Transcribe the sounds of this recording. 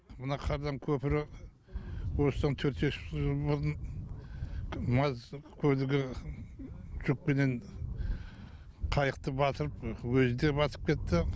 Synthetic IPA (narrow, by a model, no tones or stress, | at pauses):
mənɑqʰɑɾd̪ɑŋkʲʰɵpɪɾɪ | wosəd̪ɑnt̪ʰøɾt̪eʃʒəbəɾən | mɑzkʲʰɵlɪɡʲɪ | ʒ̥ʊk̚pe̞ne̞n | qʰɑjəqt̪əbɑt̪əɾəpwɵzɪd̪e̞bɑt̪ə̥p̚kʲʰe̞t̪ːɪ